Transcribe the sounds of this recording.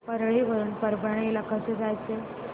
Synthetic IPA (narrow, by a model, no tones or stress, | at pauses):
pəɾɭiʋəɾuːnpəɾbəɳ̃elakəsed͡zajt͡se